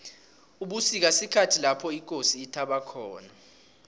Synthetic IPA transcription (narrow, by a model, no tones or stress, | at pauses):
uɓusik̬asikʰatʰilapʰɔik̬ʼosiːtʰaɓakʰɔːna